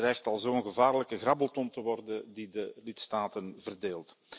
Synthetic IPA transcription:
rɛjxtɑlˠzoːənɣəvaːrləkəɣrɑbəlˠtɔntəʋɔrdəndidəlɪtstaːtənvərdeːlˠt

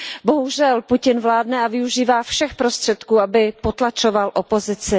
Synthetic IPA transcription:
bo̞ɦuʒɛlpucɪnvlaːdnɛavɪuʒiːvaːfʃɛxpɾo̞st̪r̥ɛt̪kuːabɪpot̪lat͡ʃo̞valʔopo̞zɪt͡sɪ

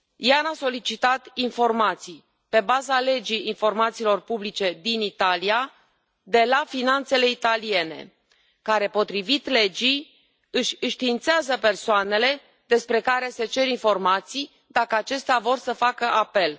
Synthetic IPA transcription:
janaso̞lit͡ʃit̪at̪info̞rmat̪sij | pe̞bazale̞d͡ʒijinfo̞rmat̪siːlo̞rpublit͡ʃe̞d̪init̪alia | d̪e̞lafinant̪se̞le̞it̪alije̞ne̞̰ | kaɾe̞po̞t̪ɾivit̪le̞d͡ʒij | ɨʃʲɨʃt̪iːnt̪seazəpe̞rsoane̞le̞ | d̪e̞spɾe̞kaɾe̞se̞t͡ʃe̞ɾinfo̞rmat̪sij | d̪akəat͡ʃe̞st̪eavo̞rsəfakəʔape̞l

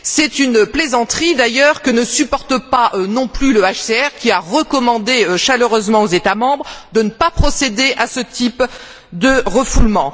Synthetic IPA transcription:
sɛt̪ynplezɑ̃t̪χid̪ajœʁkənəsypɔʁt̪əpaʔønɔ̃plyləaʃseɛʁkʲiaʁəkɔmɑ̃d̪eøʃaløʁøzmɑ̃ozet̪amɑ̃bʁd̪ənəpapχɔsed̪eʔasət̪ʰip | d̪əʁəfulmɑ̃

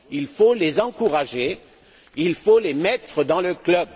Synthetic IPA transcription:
ilfolezɑ̃kuʁaʒe | ilfolemɛt̪χəd̪ɑ̃ləklœb

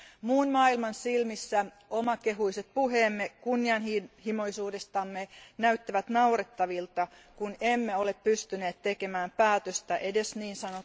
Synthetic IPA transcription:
muːnmɑːilmɑnsilmisːæ | omɑkeɦuiset̪̚puɦeːmːekunːiɑnhihimoisuːdest̪ɑmːenæyt̪ːæʋæt̪nɑuret̪ːɑʋilt̪ɑ | kunemːeoleppyst̪yneːt̪t̪ekemæːmpæːt̪øst̪æʔedesniːnsɑno

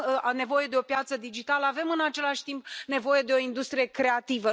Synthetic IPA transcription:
ne̞vo̞je̞d̪e̞o̞pjat̪səd̪id͡ʒit̪aləave̞mɨnat͡ʃe̞laʃʲt̪imp̚ne̞vo̞je̞d̪e̞o̞ind̪ust̪ɾije̞kɾe̞at̪ivə

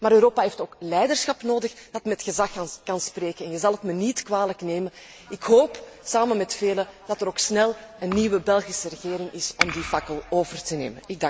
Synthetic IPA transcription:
maːɾøɾoːpaɦeːftoːklɛjdərsxɑpnoːdəxd̥ɑtmɛtxəzɑxnkɑnspreːkənɛnjəzɑlˠɦətmənitkwaːləkneːmən | ɪkɦoːpsaːmənmɛtfeːləd̥ɑtəɾoːksnɛlˠənːiʋəbɛlˠɣisəɾəɣeːɾɪŋɪsɔmdifakəlˠoːvərtənḛːmənɪɡ̚daŋ

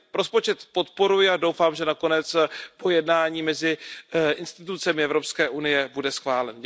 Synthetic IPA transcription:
ɾo̞spo̞t͡ʃɛt̪po̞t̪po̞ɾujɪado̞wfaːmʒɛnako̞nɛt͡spo̞jɛdnaːɲiːmɛzɪʔɪnst̪ɪt̪ut͡sɛmɪɛvɾo̞pskɛːʔunɪjɛbudɛsxvaːlɛn

